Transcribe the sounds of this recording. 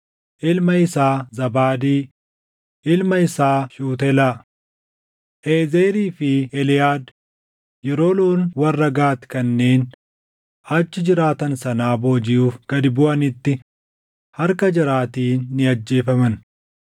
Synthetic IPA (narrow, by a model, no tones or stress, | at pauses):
ʔɪlmɐɪsaːzɐbaːd̪iː | ʔɪlmɐɪsaːʃuːt̪ɛlaː | heːzeːɾiːfɪɛlɪjaːd̪ | jɛɾo̞ːloːnwɐrːɐɡaːt̪ɪ̥kɐnːeːn | ɐt͡ʃːɪd͡ʒɪɾaːt̪ɐnsɐnaːbo̞ːd͡ʒɪjuːfɡ̥ɐd̪ɪbʊʔɐnɪt̪ːɪ | hɐɾkɐd͡ʒɪɾaːt̪iːnːɪɐd͡ʒːe̞ːfɐmɐn